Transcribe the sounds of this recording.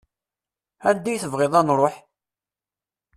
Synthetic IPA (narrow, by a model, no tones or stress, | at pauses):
æɾd̪ijθəvʁeðˤɑnɾˤoħ